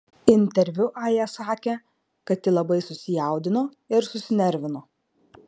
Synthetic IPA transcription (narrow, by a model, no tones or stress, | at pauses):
ɪnʲt̪ʲɛɾʲʋʲʊʔɑːjɛsɑːkʲe | kɐt̪ːʲɪlˠɐbɐɪsʊsʲɪjæˑʊd̪ʲɪnoː | ɪɾsʊsʲɪnʲɛɾʲʋʲɪnoː